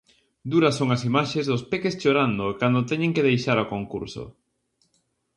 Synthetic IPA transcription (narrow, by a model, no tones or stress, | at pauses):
d̪uɾɐsːoŋɐsimaʃezðʊspekest͡ʃoɾand̪okand̪ot̪ɛɲẽŋkeðejʃaɾokoŋkṵɾso̰